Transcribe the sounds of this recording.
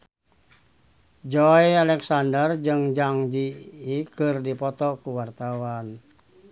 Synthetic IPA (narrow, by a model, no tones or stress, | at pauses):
d͡ʒɔjalɛksandərd͡ʒɨŋd͡ʒaŋd͡ʒiːkɨrdipɔt̪ɔkuwart̪awan